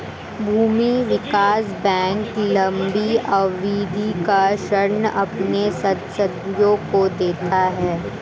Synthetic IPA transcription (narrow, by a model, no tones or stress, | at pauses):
bʱuːmiʋɪkaːsbɛ̃ːŋklɐ̃mbiɐʋiːd̪ʱikaʃɐɾnɐ̰pnesɐt̪səd̪jõkod̪eːt̪aɦɛː